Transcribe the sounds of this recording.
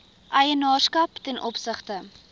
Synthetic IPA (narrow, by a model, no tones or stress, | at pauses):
ʔɐjənɑːrskɐptɛnʔɔpsəχtə